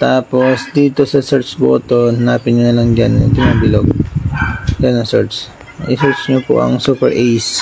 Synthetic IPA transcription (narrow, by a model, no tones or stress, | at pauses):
t̪aːpo̞sd̪iːt̪o̞sɐsɛɹt͡ʃbo̰ːt̪onhanaːpɪɲʊnɐlaŋd͡ʒan̰ŋk̪ɪnaːbɪloɡ̚ | janɐŋsɛɹt͡ʃ | ʔɪsɛɹt͡ʃɲopo̰ʔɐ̰ŋsupɛɹʔɛjs